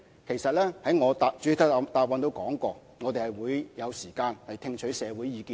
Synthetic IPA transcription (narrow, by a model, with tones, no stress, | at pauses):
kʰe˨˩jsɐ˨t̚lɛː˥hɐ˨˥jŋɔː˨˧t̪aː˧t͡ʃy˨˥t̪ʰɐ˥t̪aː˨˧p̚wɐ˨˧nt̪o˧wkɔː˨˥ŋkɔː˧ | ŋɔː˨˧t̪e˨jhɐ˨jwuː˨˧jjɐ˨˧wsiː˨˩kaː˧nhɐ˨jt̪ʰɪ˧ŋt͡ʃʰɵ˨˥jsɛː˨˧wuː˨˥jiː˨˧kiː˧